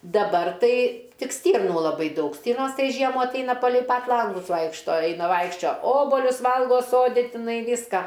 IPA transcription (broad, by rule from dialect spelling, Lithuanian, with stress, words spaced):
dɐˈbɐr tɐɪ ˈtʲɪk ˈsʲtʲiːrnuː lˠɐˈbɐɪ ˈdɐʊk ˈsʲtʲiːrnoːs ˈtɐɪ ˈʒʲiɛmuː ɐtˈɐɪnɐ pɐlʲɛɪ pɐt ˈlˠɐŋɡʊs ˈʋɐɪkʃtoː ˈɐɪnɐ ˈʋɐɪkʃʲt͡ʃʲoː ˈoːboːlʲʊs ˈʋɐlˠɡoː ˈsoːdʲɪ tʲɪˈnɐɪ ˈʋʲiːskɐ